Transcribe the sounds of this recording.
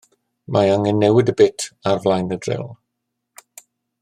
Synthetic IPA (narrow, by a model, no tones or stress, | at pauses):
maaŋɛnːɛwɪdəbɪtʰarvlˠajnədrɪ̰lˠ